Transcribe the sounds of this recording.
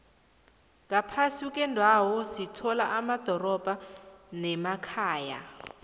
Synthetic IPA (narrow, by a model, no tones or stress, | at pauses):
ŋapʰasukʼɛndʱawɔsitʰɔlaʔamad̥ʱɔrɔb̥ʱanɛmakʰaːja̰